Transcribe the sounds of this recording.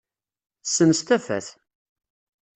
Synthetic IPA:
səmst̪æfæ̰θ

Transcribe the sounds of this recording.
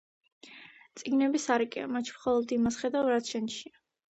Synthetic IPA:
t̪sʼiɡnɛbisaɾikʼia̰mat͡ʃʰi̥mχɔlˠɔd̪imasχɛd̪awɾat̪ʰʃɛnʃia

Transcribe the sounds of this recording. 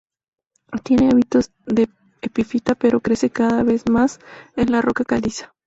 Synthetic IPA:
ot̪je̞neaβit̪o̞z | ðe̞ | epifit̪ape̞ɾo̞kɾe̞se̞kaðaβe̞zmasenlaro̞kakalisḁ

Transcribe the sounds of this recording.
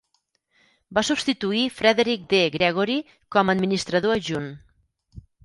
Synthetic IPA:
basubst̪it̪uifɾɛðeɾik̚d̪eɣɾɛɣ̞uɾi | kɔməd̪minist̪ɾəðoəʒun

